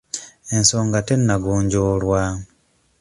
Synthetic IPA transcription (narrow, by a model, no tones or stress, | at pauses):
ensoːŋɡatenːaɡuːɲɟolwa